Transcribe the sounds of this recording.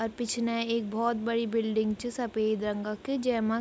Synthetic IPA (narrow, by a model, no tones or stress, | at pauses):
ɔːɾpɪt͡ʃʰnẽeːk̚bɔːt̪̚bɐɽibɪlɖɪ̃ŋɡt͡ʃesɐpeːd̪ɾɐ̃ŋɡaked͡ʒɛːma